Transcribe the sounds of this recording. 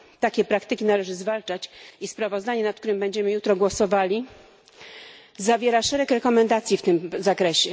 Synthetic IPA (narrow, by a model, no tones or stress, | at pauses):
t̪akʲɛpɾakt̪ɘkʲinalɛʐɘzvalt͡ʂat͡ɕispɾavɔzd̪aɲɛnat̪̚k̚t̪uɾɘmbɛɲd͡ʑɛmɘjut̪ɾɔɡwɔsɔvalʲi | zavʲjɛɾaʂɛɾɛkɾɛkɔmɛnd̪at̪sʲjift̪ɘmzakɾɛɕɛ